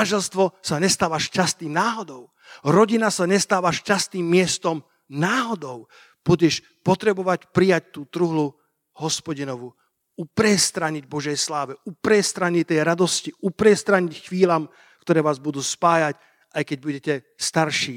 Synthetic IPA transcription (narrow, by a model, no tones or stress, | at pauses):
anʒɛlst̪ʋɔsaɲɛst̪aːʋaʃcast̪iːmnaːɦɔd̪ɔʊ | ɾɔɟinasaɲɛst̪aːʋaʃcast̪iːmːɪɛst̪ɔm | naːɦɔd̪ɔʊ | b̥uɟɛʃ | pɔt̪ɾɛbɔʋacpɾijac̚t̪uːt̪ɾuɦlu | hɔspɔɟinɔʋu | upɾɛst̪ɾaɲiɟbɔʒɛjslaːʋɛʔupɾɛst̪ɾaɲict̪ɛjɾad̪ɔsciupɾɛst̪ɾaɲicxʋiːlaːm | kt̪ɔɾɛːʋaːzbud̪uːspaːjac | ajkɛɟ̚buɟɛcɛ | st̪aɾʃiː